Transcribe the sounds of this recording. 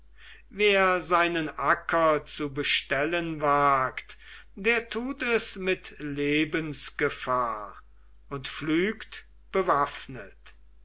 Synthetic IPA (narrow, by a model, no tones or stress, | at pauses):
veːɐzaɪnənʔakʰɐt͡subəʃtɛlənvaːkt | deːɐtʰuːtɛsmɪtleːbənsɡ̥əfaːɐ | ʊntflyːkt | b̥əvafnət